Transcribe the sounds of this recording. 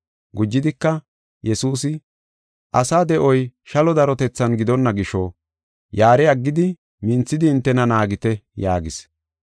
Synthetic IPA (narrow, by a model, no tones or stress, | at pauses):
ɡʊd͡ʒːɪd̪ɪkːɐ | jɛsuːs̬ɪ | ʔɐsaːd̪ɛʔɔjʃɐlɔd̪ɐɾɔt̪ɛt͡sːɐnɡɪd̪ɔnːɐɡɪʃɔ | jaːɾɛɐɡːɪd̪ɪ | mɪnt͡sːɪd̪ɪːnt̪ːɛnɐnaːɡɪt̪ɛjaːɡɪs